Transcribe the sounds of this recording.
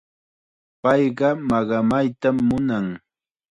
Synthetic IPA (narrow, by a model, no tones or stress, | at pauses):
pɑjɢɑmɑɢɑmajt̪amːʊnaŋ